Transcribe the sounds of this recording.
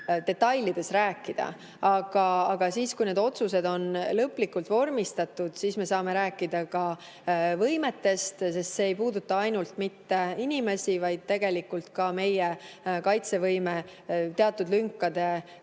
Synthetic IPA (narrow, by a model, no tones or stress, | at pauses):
t̪e̞t̪ːɑjlid̪̥e̞sræːkːˑid̪̥ɑ̰ | ɑɡ̥ɑɑɡ̥ɑsiːskujne̞d̪o̞t̪suse̞d̪o̞nlɤpːlikult̪vo̞rmist̪ɑt̪ːud̪̥siːsme̞sɑːme̞ɾæːkːˑid̪̥ɑkɑ | vɤjme̞t̪ːe̞st̪se̞st̪se̞ːjpuːd̪ut̪ːˑɑɑjnult̪mit̪ːe̞inʲime̞sivɑjd̪̥̚t̪e̞ɡ̥e̞likːult̪kɑme̞jekɑjt̪se̞vɤjme̞t̪e̞ɑt̪ːˑud̪lyŋkːˑɑd̪̥e̞